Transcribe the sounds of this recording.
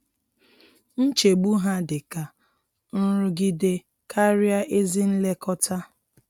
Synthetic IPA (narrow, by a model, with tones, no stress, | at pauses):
n̩˦t͡ʃe˨ɡ͡bu˦ɦa˦dɪ˨ka˨ | n̩˦ɾʊ˦ɡi˦de˦ | kʰa˦ɾja˦ʔe˦zi˦n̩˦le˦kɔ˦ta˦